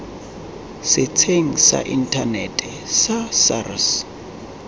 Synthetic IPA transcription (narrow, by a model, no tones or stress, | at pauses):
sɪt͡sʰeŋ̩sa̰ʔin̩tʰanɛtʼɛ | sasa̰ras